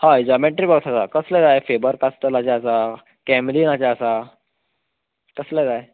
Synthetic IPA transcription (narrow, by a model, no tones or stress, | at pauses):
haid͡zɔmẽɳʈɾibəɡtʰasakəslad͡zajfebəɾkast̪əlat͡ɕaəsa | kɛmliːnat͡ɕjaəsa | kəslad͡zaje